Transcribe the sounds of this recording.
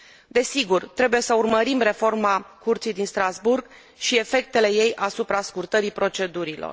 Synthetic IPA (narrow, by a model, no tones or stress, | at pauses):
d̪e̞siɡurt̪ɾe̞buje̞səurməɾimre̞fo̞rmakurt̪sijd̪inst̪ɾazburɡ | ʃie̞fe̞k̚t̪e̞le̞je̞jʔasupɾaskurt̪əɾipɾo̞t͡ʃe̞d̪uɾilo̰r